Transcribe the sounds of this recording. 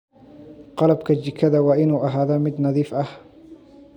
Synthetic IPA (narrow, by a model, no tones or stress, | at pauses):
qɑlɐbkʰɐd͡ʒɪkʰːɐðɐwɑːʔɪnuːʔɐɦaːðɐmɪd̪nɑðiːfʔɐh